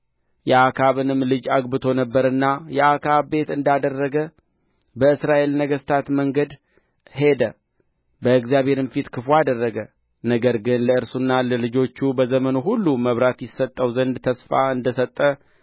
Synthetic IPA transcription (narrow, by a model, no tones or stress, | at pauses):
jɛakʰaβɨnɨmːlɨd͡ʒaɡbɨt̪ʰo̞nəbːəɾɨnːajɛʔakʰaβbe̞t̪ɨnd̪ad̪ərːəɡə | bəɨsɾaʔe̞lnəɡəst̪ʰat̪məŋɡəd̪ | he̞d̪ə | bəɨɡzijaβhe̞ɾɨnfit̪kʰɨfoad̪ərːəɡə | nəɡəɾɡɨnləɨɾsunːaləlɨd͡ʒo̞t͡ʃːubəzəmənuɦulːuməβɾat̪jɪsːət̪ʼːəwzənd̪t̪ʰəsfaɨnd̪əsət̪ʼːə